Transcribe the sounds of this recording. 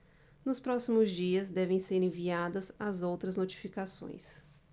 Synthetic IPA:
nʊspɾɔsimʊzd͡ʒiɐzd̪ɛvẽj̃seɾẽviad̪ɐzɐzowt̪ɾɐznot͡ʃi̥fikasõ̰j̃s

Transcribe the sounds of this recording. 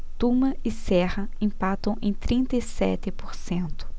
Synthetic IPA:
t̪ũmɐɪsɛhɐĩpat̪ɐ̃w̃ʔẽj̃t̪ɾĩnt̪ɐisɛ̰t̪ɪpoɾsẽnt̪ʊ̥

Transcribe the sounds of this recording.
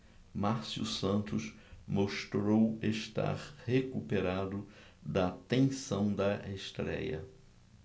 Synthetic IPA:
maɾsiʊ̰sɐ̃nt̪ʊs | moʃt̪ɾoweʃt̪a̰ɾhekupeɾad̪ʊ | d̪ɐt̪ẽsɐ̃w̃d̪ɐest̪ɾɛ̰jɐ̰

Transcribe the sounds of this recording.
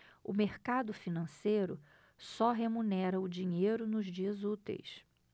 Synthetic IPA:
ʊ̰meɾkad̪ʊfinɐ̃sejɾʊ̰ | sɔɦemunɛɾɐʊd͡ʒĩɲejɾʊnʊzd͡ʒiɐzut̪ḛjs

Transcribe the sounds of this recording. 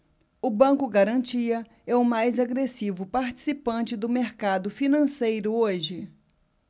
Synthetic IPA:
ʊbɐ̃kʊɡaɾɐ̃t͡ʃiɐ | ɛʊmajzaɡɾesivʊpaɾt͡ʃi̥sipɐ̃t͡ʃɪd̪ʊmeɾkad̪ʊfinɐ̃sejɾʊoʒɪ

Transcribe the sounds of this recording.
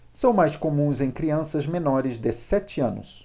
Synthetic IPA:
sɐ̃w̃majskomũzẽj̃kɾiɐ̃sɐzmenɔɾɪzd̪ɪsɛt͡ʃɪɐ̃nʊ̰s

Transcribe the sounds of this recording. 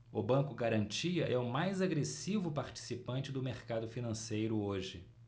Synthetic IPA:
ʊbɐ̃ŋkʊɡaɾɐ̃nt͡ʃiɐʔɛʊmajzaɡɾesivʊpaɾt͡ʃi̥sipɐ̃nt͡ʃɪd̪ʊmeɾkad̪ʊfinɐ̃sejɾʊoʒɪ

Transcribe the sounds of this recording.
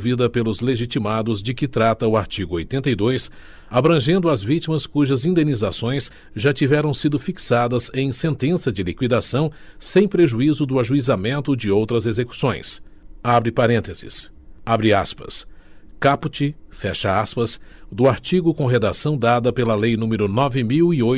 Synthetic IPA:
vid̪ɐpelʊzleʒit͡ʃimad̪ʊzd͡ʒɪkɪt̪ɾat̪ɐʊaɾt͡ʃiɡʊojt̪ẽnt̪ɐjd̪ojs | abɾɐ̃ʒẽnd̪ʊazvit͡ʃimɐskuʒɐzĩnd̪ẽnizasõj̃s | ʒat͡ʃivɛɾɐ̃w̃sid̪ʊfiksad̪ɐzẽj̃sẽnt̪ẽsɐd͡ʒɪlikwid̪asɐ̃w̃sẽj̃pɾeʒuizʊd̪ʊaʒuizamẽnt̪ʊd͡ʒɪowt̪ɾɐzezeku̥sõj̃sabɾɪpaɾẽnt̪ez̥ɪ̰sabɾɪaspɐ̰skapʊt͡ʃɪfɛʃɐaspɐsd̪ʊaɾt͡ʃiɡʊkõɦed̪asɐ̃w̃d̪ad̪ɐpelɐlejnũmɪɾʊnɔvɪmiwioj

